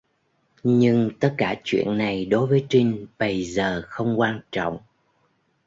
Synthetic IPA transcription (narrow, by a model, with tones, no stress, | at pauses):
ɲɨ˧ŋt̪ə˦˥t̚kaː˧˩t͡ɕwḭ˧˨ənːa˨˩jɗo˨˦jvəː˨˦jt͡ɕï˧ŋ̟ɓə˧jzəː˨˩xə˧wŋ͡mkwaː˧nt͡ɕɔ̰˧˨wŋ͡m